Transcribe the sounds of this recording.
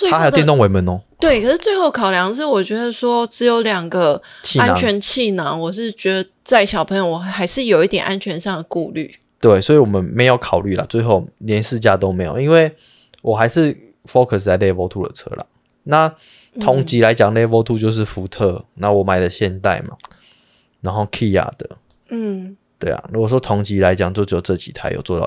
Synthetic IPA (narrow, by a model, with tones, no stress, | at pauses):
t͡swe˥˧a˥a˧jt̪jɛ˥˨˦t̪o˥˨ŋwe˧ɪmə˨˦nɔ˨˦t̪we˥˩ɪkʰə˩ʂɻ̩˥˧t͡swe˥˧ɪxo˥˩ʊkʰɑ˨˩ʊljɑ˧˦ŋə˧ʂɻ̩˥˩wɔ˨˩t͡ɕɥɛ˧˥d̪ə˧swɔ˦˥ʈ͡ʂɻ̩˧˥jo˧˥ʊljɑ˨˩ŋɡə˨t͡ɕʰi˥˨a˥nn˨t͡ɕʰɥɛ˧˥nt͡ɕʰi˥˩na˧˥ŋwɔ˨˩ʂɻ̩˥˩t͡ɕɥɛ˧˥d̪ə˧ | t͡sa˥˩ɪɕjɑ˨ʊpʰə˧ŋjo˧ʊwɔ˨˩xa˧˥ɪʂɻ̩˥˩jo˨˩ʊi˥˩t̪jɛ˨˩nʔa˦˥nt͡ɕʰɥɛ˧˦˥nʂɑ˥˩ŋd̪ə˩ku˥˧ly̰˥˩ | t̪we˥˩ɪswɔ˧˥i˨wɔ˨˩mə˦nme˧˥ɪjo˥˩ʊkʰɑ˨˩ʊly˥˩la̰˨˩t͡swe˥˧ɪxo˥˩ʊljɛ˧˦nʂɻ̩˥˧t͡ɕja˥˧t̪o˥ʊme˧˥ɪjo̰˨˩i˦˥nwe˥˩ɪ | wʔɔ˨˩xa˧˥ɪʂɻ̩˥˩ | fo˦kʰə˨˩s̬t͡sa˥˧ɪlɛ˥˧˩fo˥ʊt̪ʰu˥˧d̪ə̰˨˩ʈ͡ʂʰɤ̰˥la̰˩ | na˥˨ | ɔ˨˦˥ŋt͡ɕi˧˥la˧˦ɪt͡ɕja˨˩ŋlɛ˥˩fo˥ʊt̪ʰu˥˧t͡ɕjo˥˧ʊʂ̬̩˥˩fu˧˥˦t̪ʰɤ˥˧˨na˥˨wɔ˨˩ma˨˩ɪlə˨˦ɕjɛ˥˧nt̪a̰˥˩ɪma̰˨˩ | na˧˦ŋxo˥˧ʊkʰi˥˧ja̰˥˩d̪̥ə˩ | n̩˥˩ | t̪we˥˩a̰˨˩ɻu˦˥ɡɔ˨˩ʂwɔ˥t̪ʰo˧˥ŋt͡ɕi˧˥la˧˦ɪt͡ɕja˨˩ŋt͡ɕjo˥˧t͡ɕo˥˧˨ʈ͡ʂɤ˥˩t͡ɕḭ˨˩t̪ʰa˥ɪjo̰˨˩ʊt͡swɔ˥˧ɑ̰˥˩˨